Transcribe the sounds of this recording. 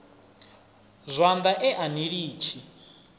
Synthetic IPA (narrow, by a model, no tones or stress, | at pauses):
zʷand̪aʔɛʔaniɺiːt͡ʃʰi